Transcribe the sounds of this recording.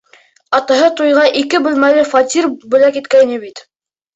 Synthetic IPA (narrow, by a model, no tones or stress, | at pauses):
ɑt̪ɑɦɤt̪ujʁɑʔikɘbɘ̆lmælɘfɑt̪ʲirbɵ̆lækit̪kæjnɘbit̪